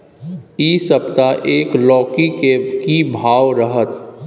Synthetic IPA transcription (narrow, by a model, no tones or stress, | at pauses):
iːsəbt̪aʔeːklɔːkikekibʱaːwɾəɦət̪